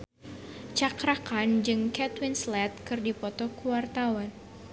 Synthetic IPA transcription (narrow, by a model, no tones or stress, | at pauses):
t͡ʃakɾakand͡ʒɨŋkɛt̪winslɛt̪̚kɨrdipɔt̪ɔkuwart̪awan